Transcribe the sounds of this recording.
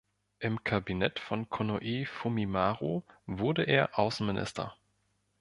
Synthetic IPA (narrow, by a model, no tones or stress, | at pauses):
ʔɪmkʰabinɛtfɔnkʰonoʔiːfumimaːʁovʊɐdəʔeːɐʔaʊsn̩mɪnʔɪ̰stʰɐ̰